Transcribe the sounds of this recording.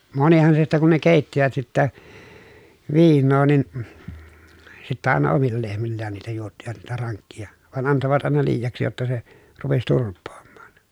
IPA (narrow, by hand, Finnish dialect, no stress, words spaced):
monihɑn se sitːæ kun ne keˑitːiʋæt sitːæ ʋiːnːoː nin sitːæ ɑˑenɑ omilːɑ lehmilːæːn niːtæ juotːiʋɑt niːtæ rɑŋkːijɑ ʋɑn ɑntoʋɑt ɑˑenɑ liːjɑksi jotːɑ se rupes turpˑoːmːɑ̥ːn̥